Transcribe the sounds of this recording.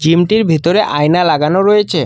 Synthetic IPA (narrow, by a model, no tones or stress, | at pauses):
d͡ʑimʈiɾbʱit̪oɾeʔajnalaɡanoɾojet͡ɕʰe